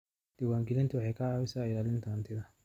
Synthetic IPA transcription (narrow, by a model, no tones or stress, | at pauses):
d̪̥ɐwaːŋɡɛlɪnt̪ɐwɑħɑjkʰɐʕɑːβɪsaːɪlaːlɪnt̪ʰant̪ʰɪðɐ